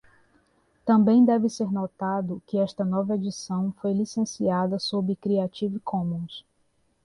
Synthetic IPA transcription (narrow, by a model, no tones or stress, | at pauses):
t̪ɐ̃mbẽj̃d̪ɛvɪseɾnɔt̪ad̪ʊkɪɛst̪ɐnɔvɐed͡ʒisɐ̃w̃fojlisẽsiad̪ɐsobɪkɾiat͡ʃivɪkʰõmũs